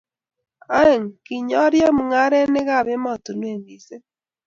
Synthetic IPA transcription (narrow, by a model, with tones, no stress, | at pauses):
a˦e˨ŋki˨ɲɔ˦ɾjɔ˦mu˨ŋa˦ɾɛ˦ne˦ɣa˦˨βe˦ma˦˨to˨nwe˦˨ni˨se˦